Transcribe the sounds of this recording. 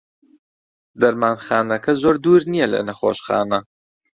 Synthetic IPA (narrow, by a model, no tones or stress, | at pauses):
d̪ɐɾmaːnxaːnɐkʰɐzoːɾd̪uːɾnijɛlɐ̰nɐxo̰ːʃxa̰ːnɐ